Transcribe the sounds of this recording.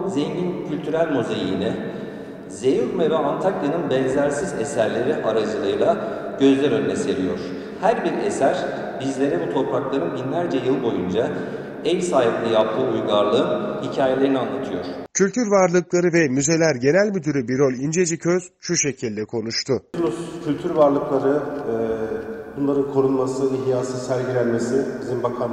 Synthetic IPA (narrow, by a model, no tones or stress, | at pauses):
zeɲɟincʰylʲt̪ʰyɾælʲmuzejḭnɛ | ze̞juɾmɛvɛʔant̪ʰakjanɯnbɛnzæɾsizesæɾlʲe̞ɾiʔaɾad͡ʒɯlˠɯjɯlˠaɟ̥ø̞zlʲæɾø̞nːʲɛseɾʲijo̞ɾ̥ | hæɾbiɾesæɾ̥ | bizlʲe̞ɾɛbut̪ʰo̞ɾpʰaklˠaɾɯnbinlʲæɾd͡ʒɛjɯlˠbo̞jund͡ʒa | ɛjʲsaːɦilʲɛjap̚t̪ʰɯujɡaɾlˠɯːnhicʰaːjelʲe̞ɾinianːat̪ʰɯjo̞̰ɾ̥cʰylʲt̪ʰyɾvaɾlˠɯklˠaɾɯvɛmyze̞lʲæɾɟe̞nælʲmyd̪yɾybiɾølʲind͡ʒe̞d͡ʒicʰøz̥ʃuʃe̞cʰilʲd̪ɛkʰo̞nuʃt̪ʰʊlˠuscʰylʲt̪ʰyɾvaɾlˠɯklˠaɾɯ | b̥unlˠaɾɯnkʰo̞ɾunˠmasɯiɦjaːsɯsæɾɟiɾælʲmesibizimbakʰam